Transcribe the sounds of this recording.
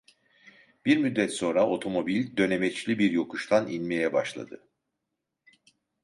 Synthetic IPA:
b̥iɾmyd̪ːɛt̪so̞nɾao̞t̪ʰo̞mo̞bilʲd̪ø̞ne̞mɛt͡ʃlʲibiɾjo̞kʰuʃlˠaninʲmejɛbaʃlˠa̰d̪ɯ

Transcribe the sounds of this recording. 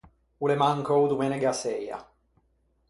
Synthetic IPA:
ulemaŋkowd̪umeneɡaseja̰

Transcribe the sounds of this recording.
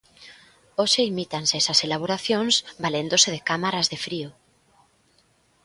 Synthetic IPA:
oʃeimit̪ansesɐselaβ̞oɾaθjoŋsbalend̪oseðekamaɾazðefɾio

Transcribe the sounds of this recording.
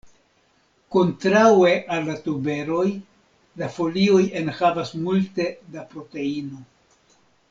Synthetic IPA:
ko̞ntɾawe̞ʔalːatube̞ɾo̞j | lafo̞lio̞jenhavasmulte̞dapɾo̞te̞ino̞

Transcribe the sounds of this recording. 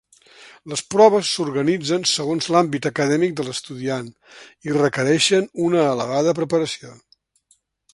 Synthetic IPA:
ləspɾɔβ̞əsːuɾɣənid͡zənsəɣonzlambit̪əkəðɛmik̚d̪əlˠəst̪uðian | irəkəɾɛʃənunəːlə̰β̞aðəp̬ɾəpəɾəsio

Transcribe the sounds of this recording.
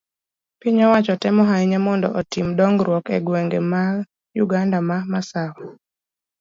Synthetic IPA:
piɲɔwat͡ʃɔtɛmɔɦaiɲɛmɔndɔ̰ʔɔtimdɔŋɡɾwɔkɛ̰ɡwɛŋɡɛma | juɡandamamasawɔ

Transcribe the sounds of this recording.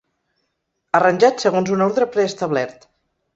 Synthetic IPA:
ərənʲʒat̪səɣonzunoɾðɾəpɾɛːst̪əβlɛɾt̪

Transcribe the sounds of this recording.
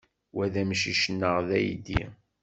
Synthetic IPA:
wæðæmʃiʃənːəʁðæjd̪ḭ

